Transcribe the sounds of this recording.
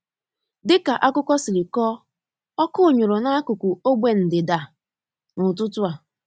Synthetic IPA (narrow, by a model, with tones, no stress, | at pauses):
dɪ˦ka˨ʔa˦kʊ˦kʷɔ˦sɪ˨li˨kɔ˦ | ɔ˦kʊ˦ʊ˨ɲʊ˨ɾʊ˨na˦a˦kʊ˨kʷu˨o˦ɡ͡bʷe˨n̩˨dɪ˨da˨ | nʊ˨tʊ˦tʊ˦a˨